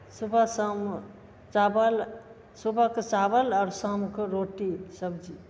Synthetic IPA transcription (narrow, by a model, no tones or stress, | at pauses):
subʱasəm | t͡ʃabəl | subʱaket͡ʃabəlaːɾsəmkeɾoʈisəbd͡ʒi